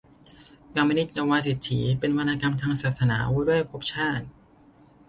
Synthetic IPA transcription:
ka˧mːi˧ni˦˥t̪̚t͡ɕa˧waː˧si˨˩t̪ʰːiː˩˦pe˧nwa˧naː˧ka˧mt̪ʰaː˧ŋsaː˨˩t̪̚sa˧naː˩˦wa˧˥du˥˩əjpʰo˦˥p̚t͡ɕʰaː˥˩t̪̚

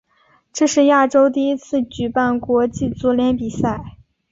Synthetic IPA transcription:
ʈ͡ʂɤ˥˧ʂɻ̩˥˧ja˥˩ʈ͡ʂo˥ʊt̪̬i˥˩i˥t͡sʰɹ̩˥˩t͡ɕy˨˩pa˥˩nkwɔ˧˥t͡ɕi˥˩t͡su˧˥ljɛ˧˥npi˨˩sa˥˩ɪ

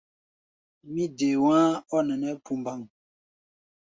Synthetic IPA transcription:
mi˦de˨wã˦ɔ˦nɛ˨nɛ˦pʰu˨mba˨ŋ

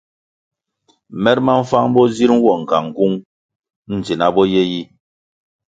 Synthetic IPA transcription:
mɛ˦t̚ma˦ɱ̩˦fa˦ŋ˦bɔ˦zi˦ɾ̩˦wɔ˨ŋ̩˨ka˨ŋ˨ku˦ŋ | n̩˨d͡zi˨na˦bɔ˦jɛ˦ji˦

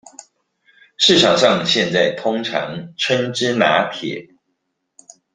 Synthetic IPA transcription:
ʂɻ̩˥˩ʈ͡ʂʰɑ˨˩ŋʂɑ˥˨ŋɕjɛ˥˧nt͡sa˥˩ɪt̪ʰʊ˥ŋʈ͡ʂʰɑ̰˧˥ŋʈ͡ʂʰwə˥nʈ͡ʂɻ̩˥na̰˧˥t̪ʰjɛ̰˨˩˦

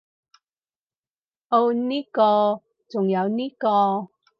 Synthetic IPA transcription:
ʔo˧wniː˦˥kɔː˧ | t͡sʊ˨ŋjɐ˨˧wniː˥kɔː˧

